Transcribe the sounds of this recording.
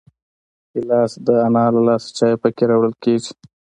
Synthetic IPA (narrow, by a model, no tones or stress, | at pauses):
ilɑːsd̪əanɑlalɑst͡ʃɑjpəkeɾɑwɽəlked͡ʒi̥